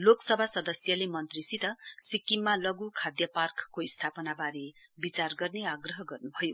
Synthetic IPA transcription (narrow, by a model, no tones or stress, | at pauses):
loksʌbʱasʌd̪ʌsjʌlemʌnt̪risit̪ʌsikːimːalʌɡukʰad̪jʌparkkːoist̪ʰapʌnabaɾebit͡sarɡʌrneaɡrʌɦʌɡʌrnubʱʌjo